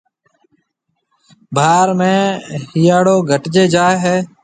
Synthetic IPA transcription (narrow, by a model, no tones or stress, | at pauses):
bʱaːɾmẽːhiːjaːɽoːɡʱəʈd͡ʒeːd͡ʒaːeɦɛː